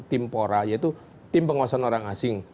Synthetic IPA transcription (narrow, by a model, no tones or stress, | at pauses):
t̪ɪmpoɾajait̪u | t̪ɪmpəŋɔsɔnoɾaŋasɪŋ